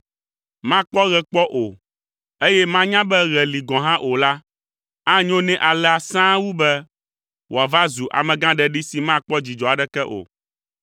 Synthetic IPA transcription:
mã˦k͡pɔ˦ɣɛ˨k͡pɔ˦ʔo˨ | e˦jɛ˦mã˦ɲã˦bɛ˦ɣɛ˨li˨ɡɔ̃˨ɦã˦ʔo˨la˦ | ã˦ɲõ˦nɛ̃˦ʔa˨lɛ˨a˨sã˦wu˦bɛ˦ | wo˨a˨va˦zu˨ʔa̰˨mɛ̃˨ɡã˦ɖɛ˦ɖi˦si˨mã˦k͡pɔ˦d͡ʑi˨d͡ʒɔ˨a˨ɖɛ˦kɛ˦ʔo̰˨

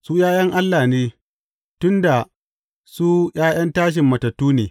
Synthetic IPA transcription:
su˦jaː˦jɐ˦ŋʔa˦lːaː˨neː˦ | tʊ˦nda˨ | su˦jaː˦j̰ɐ˦ntaː˦ʃ̬ɪ˨mːɐ˨tɐ˨tːuː˦neː˨

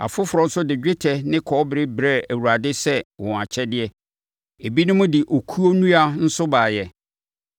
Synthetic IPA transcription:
a̰˨fʊ˦fʊ˨ɾɔ˨˦sʊ˦dɪ˨d͡ʑᶣɪ˦tʰɛ˨nɪ̃˦kʰɔː˨˦bɾɪ˦bɾɛ˦æ˨wu˨ɾa˨dɪ˦sɛ˦wɔ̃˨a˨t͡ɕʰɛ˦dɪ˦ɛ˦ | e˨bi˦nʊ̃˦mʊ̃˦dɪ˨ʔo˨kʰu˦o˦nũ˦a˨n̩˦sʊ˦baː˨jɛ˨

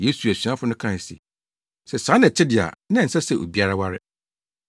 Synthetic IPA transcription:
je˦su˨æ˨su˨ã˦fʊ˦nʊ̃˦kʰã˦˨sḭ˨ | sɛ˨sã˨˦nɛ̃˨t͡ɕʰɪ˦dɪ˨a̰˨nã˦n̩˨sa˦sɛ˨ʔo̰˨bi˦a˦ɾa˦wa˦ɾɪ˦

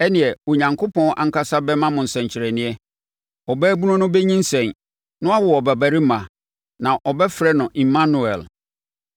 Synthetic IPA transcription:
ɛ˦nɪ̃˨ɛ˨o˨ɲã˨ŋkʰo˦pʰɔ̃˦ʔa̰˨ŋ̩˦kʰa˦sa˦bɛ˦mã˦mʊ̃˨n̩˨sɛ̃˨ɲ˨t͡ɕʰɪ˨ɾɛ˨nɪ̃˦ɛ˦ | ɔ˨bɛː˦bu˦ʊ̃˦nʊ̃˦bɛ˦ɲĩ˦n̩˦sɛ̃˨n | nʊ̃˦a˦wʊ˨wɔ˨bɛ˨bæ˨ɾi˦mã˨ | nã˨ʔɔ˨bɛ˦fɾɛ˦nʊ̃˨ʔi˨mã˦nu˨ɛ˨l

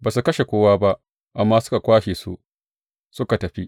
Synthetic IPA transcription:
baː˨s̬u˨kɐ˦ʃe˨kʷoː˦waː˦ba˦ʔ | ʔa˨mːaː˦sʊ̥˦ka˨kʷaː˦ʃeː˨sṵ˦ʔ | sʊ˦ka˨tɐ˨ɸi˦ʔ

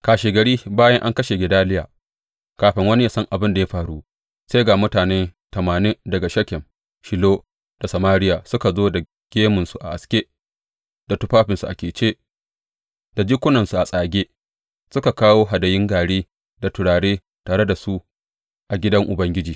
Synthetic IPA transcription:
kaː˨ʃeː˨ɡɐ˨ɽiː˦baː˦jɐ˦ŋʔa̰˦ŋkɐ˦ʃe˨ɡʲɪ˨daː˦lɪ˦jaː˨ | kaː˨ɸɪ˦ŋwɐ˦ni˦ja˦sɐ˦ŋʔa˨bɪ˦nda˨ja˦ɸaː˨ɽu˦ | se˦ɡaː˨mʊ˦taː˨neː˦tɐ˨maː˨nɪ˦dɐ˨ɡa˨ʃɐ˦kʲɛ˨m | ʃɪ˨loː˦ | d̥a˨sɐ˨maː˦ɾɪ˦jaː˨sʊ˦ka˨zoː˦da˨ | ɡ̥ʲeː˦mʊ˨nsu˨ʔa̰˨ʔa˨skʲeː˦ | da˨tʊ˦ɸaː˦ɸɪ˨nsu˨ʔa̰˨kʲeː˨t͡ʃeː˦ | d̥a˨d͡ʒi˦kʷʊ˦nɐ˨nsu˨ʔa˨sʼaː˨ɡʲeː˦ | sʊ˦ka˨kaː˦woː˦ɦa˨dɐ˨jɪ˦ŋɡaː˨ɽeː˦ | da˨tʊ˨ɽaː˨ɽeː˦ | taː˨ɽe˦da˨su˦ʔ | ʔa˨ɡʲɪ˦dɐ˦ŋʔʊ˨bɐ˦ŋɡʲɪ˦d͡ʒiː˨

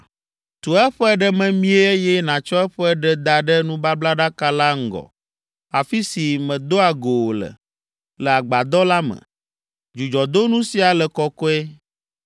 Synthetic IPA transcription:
t̪u˨ɛ˦ɸɛ˦ɖɛ˦mɛ̃˨mĩ˦e˦e˦jɛ˦nã˨t͡ʃɔ˦ɛ˦ɸɛ˦ɖɛ˦d̪a˨ɖɛ˦nũ˦ba˦bla˦ɖa˦ka˦la˦ŋ̩˦ɡɔ̰˨ | a˨fi˦si˨mɛ̃˨d̪o˦a˨ɡo˨wo˨lə̰˨ | lɛ˨a˨ɡ͡ba˨d̪ɔ˦la˦mɛ̰̃˨ | d͡ʒu˨d͡ʒɔ˨d̪o˦nũ˦si˨a˨lɛ˨kɔ˦kɔ˦ɛ˦

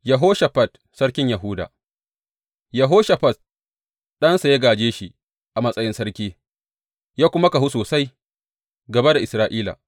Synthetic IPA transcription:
jɐ˨ɦoː˦ʃa˨ɸɐ˨t | sɐ˦ɽkʲɪ˦ɲja˨ɦʊuː˦da̰ː˨ | jɐ˨ɦoː˦ʃa˨ɸɐ˨t̚ | ɗɐ˦nsa˨ja˦ɡaː˨d͡ʒeː˦ʃi˨ | ʔa˨mɐ˦sʼɐ˦jɪ˦nsɐ˦ɽkʲiː˦ | jaː˦kʷʊ˦ma˦ka˨hu˦soː˨sa˦j | ɡɐ˨ba˦da˨ʔɪ˨sɾaː˦ʔiː˦la̰ː˨

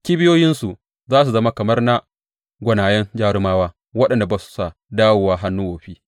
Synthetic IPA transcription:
kʲiː˦bɪ˦joː˦jɪ˦nsu˨ | zaː˦s̬u˨zɐ˦ma˦kɐ˨mɐ˦rna˨ | ɡʷɐ˨naː˨jɛ˦nd͡ʒaː˦ɽɪ˦maː˦waː˦ | wɐ˦ɗɐ˨nda˨baː˨su̥˨˦sa˦˨ | daː˦wʊ˨waː˦ɦa˦nːuː˦woː˨ɸiː˦

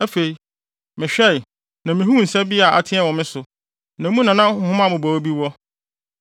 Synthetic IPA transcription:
æ˦fe˨i˨ | mɪ̃˨ɕᶣɛ˦˨ | nã˨mɪ̃˨ɦũ˦n̩˨sɛ˦bi˦a˨ʔa̰˨tʰɪ̃˦ɛ˦wɔ̃˨mɪ̃˦sʊ˨ | nã˨˦mũ˦nã˨nã˦hʊ̃˦ã˦˨mʊ̃˨bɔ˨o˦bi˦wɔ˦

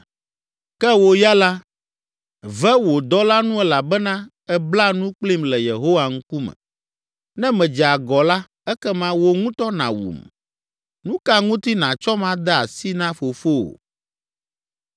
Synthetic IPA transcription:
kɛ˦wo˨ja˦la˦ | vɛ˦wo˨d̪ɔ˦la˦nũ˦ɛ˦la˨bɛ˦nã˦ | ɛ˦bla˦nũ˦k͡pli˦mlɛ˨je˨ɦo˦wa˨ŋ̩˦ku˦mɛ̰̃˨ | nɛ̃˦mɛ̃˨d͡ʒɛ˨a˨ɡɔ˨la˦ | ɛ˦kɛ˦mã˦wo˦ŋũ˦t̪ɔ˦nã̰˨wṵ˨m | nũ˦ka˦ŋũ˦t̪i˦nã˨t͡ʃɔ˦mã˦d̪ɛ˦a̰˨si˦nã˦fo˨fo̰˦˨

